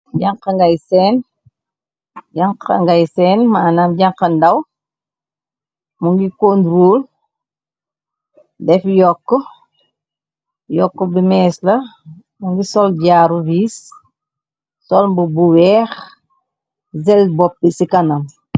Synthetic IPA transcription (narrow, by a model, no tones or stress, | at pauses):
ɟaŋqɐŋɡajsɛːn | ɟaŋkɐ̰ŋɡajsɛːnmaːnaːmɟɐŋqɐndɐw | muŋɡikondɾoːl | dɛfjɔkːɔ | jɔkːɔbimɛːslɐ | muŋɡisɔlɟaːɾuviːs | sɔlmbubuwɛːx | zɛlbɔp̚ːisikanam